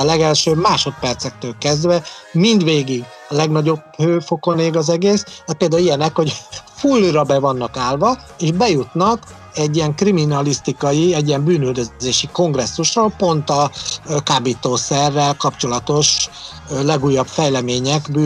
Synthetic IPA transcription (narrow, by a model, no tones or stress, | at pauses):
lɛɡɛlʃøːmaːʃo̞t̪̚pɛrt̪sɛk̚t̪øːlkɛzd̪vɛmind̪ʋeːɡiɡ | lɛɡnɒɟo̞bhøːfo̞ko̞neːɡɒzɛɡeːsd̪ɛpeːld̪aːlijɛnɛkho̞ɟfulrɒbɛvɒnːɒkaːlvɒ | eːʒbɛjut̪nɒk | ɛɟːijɛŋkriminɒlist̪ikɒjiɛɟijɛmbyːnyld̪øzeːʃiko̞ŋɡrɛsːuʃroːlpo̞nt̪ɒkaːbit̪oːsɛrːɛlkɒpt͡ʃo̞lɒt̪o̞ʃ | lɛɡuːjːɒpfɛjlɛmeːɲɛkbyː